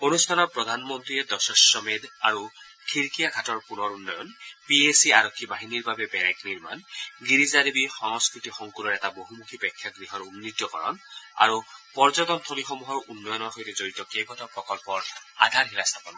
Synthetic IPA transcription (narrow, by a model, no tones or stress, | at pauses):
onustʰanɔpɔd̪ʱanmɔnt̪ɾied̪ɔsɔsɔmed̪aɹu | kʰiɹkijaɡʱatɔɹpunɔɹunːɔjɔnpiesiaɾɔkʰːibaɦiniɹbabebɛɾajkniɹma̰nɡiɾizaɾibixɔŋskɹit̪ixɔŋkuɾɔɹɛtaboɦumukʰipɛkʰːjɔkniɦɔnunːit̪jɔkɔɹɔ̰na̰ɹupɔɹd͡ʒɔt̪ɔnt̪ʰolixɔmuɦɔɹunːɔjɔnɔɹɦojtezoɹit̪ɔkejbɔt̪ɔpɹɔkɔlpɔɹa̰d̪ʱaɹɦilast̪ʰɔpɔnɔ